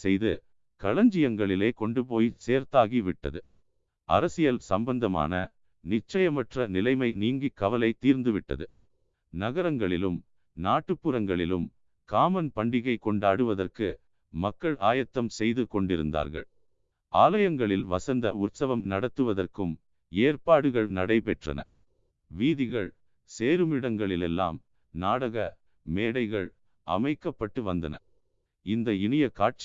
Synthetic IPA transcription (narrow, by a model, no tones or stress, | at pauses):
sɛjðɯ | kɐɭɐɲd͡ʒɪjɐŋɡɐɭɪleːkɔɳɖɯp̬oːjseːɾt̪aːɣiʋɪʈːɐ̰ðɯ | ɐ̰ɾɐsɪjɐlsɐmbɐnd̪ɐma̰ːnɐ̰ | nɪt͡ʃːɐjɐmɐʈrɐnɪlɐɪmɐɪniːŋɡikːɐʋɐlɐɪt̪ːiːɾnd̪ɯʋɪʈːɐ̰ðɯ | nɐɣɐɾɐŋɡɐɭɪlɯm | naːʈːɯpːɯɾɐŋɡɐɭɪlɯm | kaːmɐnpɐɳɖɪɣɐɪkːɔɳɖaːɽɯʋɐðɐrkɯ | mɐkːɐɭʔaːjɐt̪ːɐmsɛjðɯkɔɳɖɪɾɯ̰nd̪a̰ːɾɣɐ̰ɭ | aːlɐjɐŋɡɐɭɪlʋɐsɐnd̪ɐʊt̪sɐʋɐmnɐɽɐt̪ːɯʋɐðɐrkɯm | eːrpaːɽɯɣɐɭnɐɽɐɪpɛʈrɐ̰nɐ̰ | ʋiːðɪɣɐɭ | seːɾɯmɪɽɐŋɡɐɭɪlɛlːa̰ːm | naːɽɐɣɐ | meːɽɐɪɣɐɭ | ʔɐ̰mɐɪkːɐpːɐʈːɯʋɐnd̪ɐ̰nɐ̰ | ɪnd̪ɐɪnɪjɐkaːʈ̚t͡ʃ